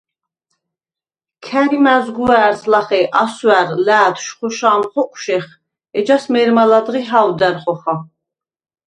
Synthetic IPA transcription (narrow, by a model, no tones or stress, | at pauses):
kʰæɾimæzɡuæːɾslaχɛʔaswæɾlæːd̪ʃχɔʃaːmχɔkʷʼʰʃɛχ | ɛd͡ʒasmɛɾmalad̪ʁiɦawd̪æɾχɔχa